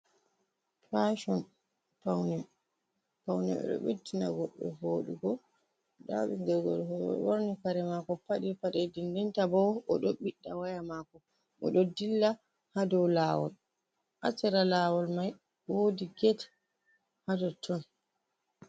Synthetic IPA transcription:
paʃɔn | pawnɛ | pawnɛ̰ɛ̰ɗɔ̰ɓetːinaɡɔɓːɛ̰boːɗuɡɔ | ɗa̰ɓiɡɛɡɔ̰lhɔjɔ̰woɾnikaɾɛmakɔpaɗipaɗɛdindɛntabɔwɔ̰ɗɔɓiɗːawajamakɔ | ʔɔɗɔdilːa | hadɔwlaːwɔ̰l | ʔa̰sɛɾalaːwɔlmaj | wodiɡɛt | hadɔtʰɔn

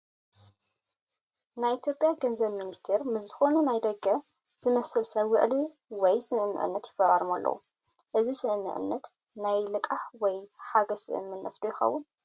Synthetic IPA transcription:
najʔit̪ʰjo̞pʼjaɡɐnzɐβminist̪ʰeɾmɨszɨxo̞nunajd̪ɐɡɐz̥ɨmɐsɨlsɐβwʊ̰ʔliwɔjsɨnɨnːɨ̰ʔɨ̰nːɐt̪jɪfɐɾʼɐɾɨmalːʔɐ̰wṵʔɨzisɨʔɨnːɨ̰ʕɨ̰nːɐt̪najlɨkʼaħwɔjħaɡɐsɨ̰ʔɨ̰mːɨnːɐ̰sd̪ujɪxɐ̰wːʊn

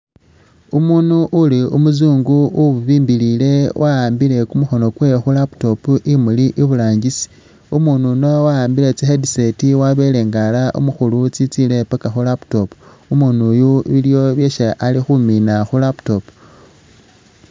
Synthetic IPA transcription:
umunuʔuliumuzuːŋɡuuβuβiːmbilile̞wʔaaːmbile̞kumuxo̞no̞kwe̞xulapto̞puʔimuliʔiβulaːɲɟisi̥ | umununowaaːmbile̞t͡sixedisetiwaβe̞le̞ːŋɡalaʔṵmuxulut͡sit͡sile̞pakaxulapto̞pu | umunujuβiljo̞βjeʃaʔalixuminaxulapto̞pu̥

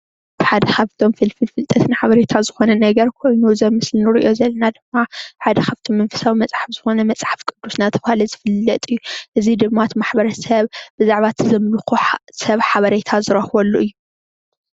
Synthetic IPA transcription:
b̪ʰɨħad̪ɐxaβt̪ʰo̞mfɨlfɨlfɨlt̪ʼɐt̪nɨħaβɐɾet̪ʰazɨxo̞nɐnɐɡɐɾkʰo̞jnuzɐmːɨslɨnɨɾɨʔo̞zɐlːɐnad̪ɨmːaħad̪ɐxʰaβt̪ʰomːɐnfɐ̥sawimɐt͡sʼħafz̥ɨxo̞nɐmɐt͡sʼħafkʼɨd̪ːusnat̪ʰɐβhalɐzɨfɨlːɐt̪ʼɨjːuʔɨzid̪ɨmːat̪ʰmaħbɐɾɐsɐβbɨzaʕβat̪ʰzɐmlxusɐβħaβɐɾet̪ʰazɨɾɐhwolːuʔɨjːu

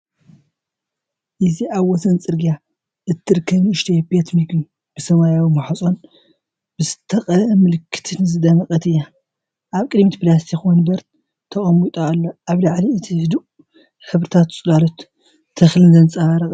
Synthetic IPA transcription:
ʔɨziʔaβwɔsɐnt͡sʼɨɾɡija | ʔɨt̪ʰːɨɾɨkʰːɐβnɨʃt̪ʰebet̪ʰmiku | b̥ɨsɐβajawimaħat͡sʼo̞n | b̥ɨzɨt̪ʰɐqʼɐʔmɨlɨkʰːɨ̥t̪ʰɨnɨzɨd̪ɐmɨkʼɐt̪ɨjːa | ʔaβkʼɨdmit̪pɨlast̪ʰikwonbɐɾt̪ | t̪ʰɐχʼɐmut̪ʼalːoʔaβlaʕliɨt̪ʰihɨd̪u | ħɨβɾɨt̪ʰat̪sʼlalot̪ːʰ | ɐxlɨnzɐnt͡sʼaβaɾɐkʼ

